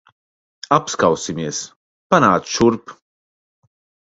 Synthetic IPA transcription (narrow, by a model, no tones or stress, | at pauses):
apskawsimiɛs | panaːt͡sʃuɾp